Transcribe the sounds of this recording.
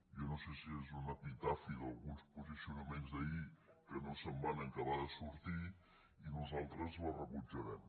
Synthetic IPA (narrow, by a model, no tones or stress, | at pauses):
jɔnosesiezunəpit̪afiðəlˠɣunspuzisiunəmenzðəikənosəmbanəŋkəβaðəsuɾt̪i | inuzalˠt̪ɾəzlərəβud͡ʒəɾɛm